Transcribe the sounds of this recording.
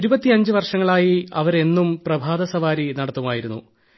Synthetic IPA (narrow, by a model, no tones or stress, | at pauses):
iɾubɐt̪ːiɐɲd͡ʑɨʋɐrʂɐŋːɐɭaːjiɐ̰ʋɐɾe̞nːumprɐbʱaːd̪ɐsɐʋaːɾinɐɽɐt̪ːumaːjiɾunːṵ